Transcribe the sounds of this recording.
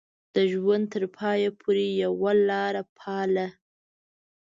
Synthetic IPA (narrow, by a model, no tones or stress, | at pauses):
d̪̥əʒwand̪̚t̪əɾpʰɑjapʰoɾejawalɑɾapʰɑla